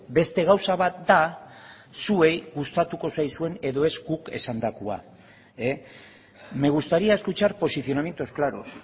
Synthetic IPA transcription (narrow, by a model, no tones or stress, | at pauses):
be̞st̪e̞ɣ̞awsaβat̪̚d̪a | sue̞jɣust̪at̪uko̞sajsue̞ne̞ðo̞e̞zɡuke̞̰sand̪akua̰ | e | me̞ɣust̪aɾiaeskut͡ʃaɾpo̞siθjo̞namje̞nt̪osklaɾo̰s